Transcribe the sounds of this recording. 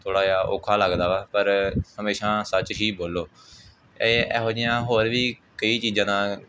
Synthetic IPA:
t̪ʰoːɽaːjaːʔo̰ːkʰaːləɡd̪aːʋaːpəɾhəmeːʃãːsət͡ʃʃiːboːlːoː | eɛːɦoːd͡ʒɪjãːɦoːɾʋiːkəiːt͡ʃiːzãːnãː

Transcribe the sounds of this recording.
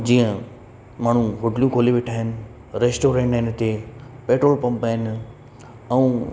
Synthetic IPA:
d͡ʑiːə̃ | maːɳ̤ũɦʊʈljũkʰoːliʋeːʈʰaːɦɪnɪ̆ | ɾeːsʈoːɾẽːɳʈːɪnt̪epeːʈɾoːlpɐ̃mpaːɦɪn | ɛ̃ː

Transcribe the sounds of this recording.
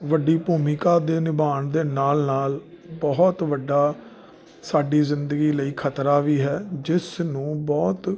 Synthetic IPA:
ʋəɖːiːpuːmiːkaːd̪eːnɪbaːɳd̪eːnaːlnaːl | bɔɦt̪ʋəɖːaː | saːɖiːzɪnd̪əɡiːləiːkʰət̪ɾaːʋiːɦɛːd͡ʒɪsnũːbɔːt̪

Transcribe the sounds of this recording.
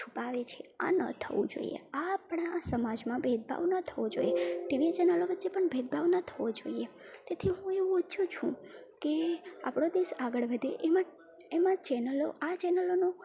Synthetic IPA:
t͡ʃʰupaʋet͡ʃʰea̰nə̰t̪ʰəʋũd͡ʒo̰ḭḛapɳasəmad͡ʒmãbʱed̪̚bʱa̰ʋnət̪ʰəʋod͡ʒoijeʈiʋit͡ʃɛnəloʋətːʃepəɳbʱed̪̚bʱaʋnət̪ʰəʋod͡ʒo̰iet̪et̪ʰiɦũeʋũʊtːʃʰut͡ʃʰṵ̃kea̰pɽod̪isaɡəɭʋəd̪ʱeʔema | emãt͡ʃɛnəlo̰ʔat͡ʃɛnəlonũ

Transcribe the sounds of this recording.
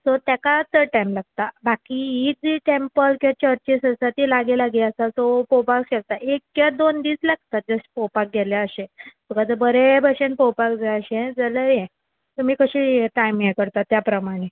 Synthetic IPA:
sɔt̪jakat̪əɾʈajmlaɡ̚t̪abakiɦid͡ziʈempəlkiat͡ɕəɾt͡ɕisəsat̪ilaɡelaɡiəsasopopakɕək̚t̪aʔekkjad̪ond̪iːslaɡt̪at̪̚d͡zəspopak̚ɡɛljaəɕẽsukat̪əbəɾebəɕenpowpakd͡zaəɕẽd͡zələjɛ̃ | t̪umiːkəɕiʈajmjɛkəɾt̪at̪japɾəmaɽ̃e

